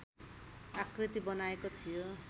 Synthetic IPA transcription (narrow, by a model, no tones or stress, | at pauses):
akrit̪ibʌnaekot̪ʰijo